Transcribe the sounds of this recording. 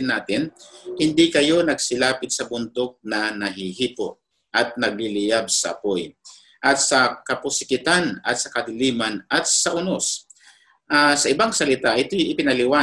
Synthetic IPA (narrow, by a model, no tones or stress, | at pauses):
ɪnːaːt̪ɪnhɪnd̪ikɐjo̞nɐɡsɪlaːpɪt̪̚sɐbʊnt̪ok̚nɐnɐɦihiːpoʔ | ʔɐt̪̚nɐɡ̚lɪlɪjab̚sɐʔɐ̰poj | ʔɐt̪̚sɐkɐpʊsɪ̥kɪt̪anɐt̪̚sɐkɐd̪ɪliːmanɐt̪̚sɐʔʊnos | ʔasɐʔɪbaŋsɐlɪt̪aʔɪt̪ojʔɪpɪnɐlɪwaː